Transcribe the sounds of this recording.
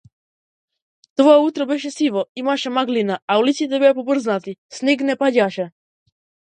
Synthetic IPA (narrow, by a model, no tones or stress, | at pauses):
t̪oaut̪ɾɔbɛʃ̬ɛsivɔimaʃɛmaɡlinaaulit̪sit̪ɛbɛapɔbr̩znat̪isnɛɡnɛpaɟaʃɛ